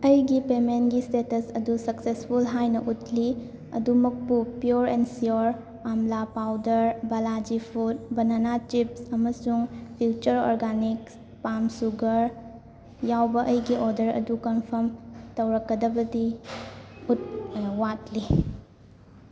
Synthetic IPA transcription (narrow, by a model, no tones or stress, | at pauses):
ɐjɡipemenɡistetɐsɐdusɐksespʰulɦajnɐʔutli | ɐ̰dumɐk̚pupjuɾensioɾ | amlapawdɐɾbɐlad͡ʒipʰut̚bɐnanat͡ʃipsɐmɐsuŋpʰjut͡ʃɐɾo̰ɾɡaniks | pamsuɡɐɾ | jawbɐʔɐjɡiʔodɐɾɐ̰dukɐnpʰɐɾmtɐwɾɐkːɐdɐbɐdi | ut̚wat̚li